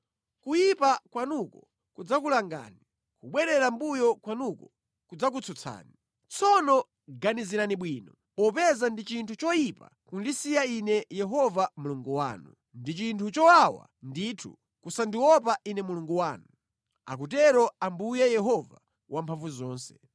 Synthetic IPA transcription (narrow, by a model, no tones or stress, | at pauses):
kujipakwanukɔ | kud͡zak̬ulaŋɡa̰ːni | kuɓwɛɾɛɾambujɔkwanukɔ | kud͡zak̬ut͡sʰɔt͡sʰa̰ːni | t͡sʰɔnɔ | ɡaniziɾaniɓwiːnɔ | ɔpɛzandit͡ʃintʰut͡ʃɔjipa̰ | kundisijainɛjɛɦɔvamuluŋɡuwa̰ːnu | ndit͡ʃintʰut͡ʃɔwawa̰nditʰṵ | kusandiwɔp̬aʔinɛmuluŋɡuwaːnu | a̰k̬ut̬ɛɾɔambujɛjɛɦɔva | wampʰaɱvuzɔːnsɛ̥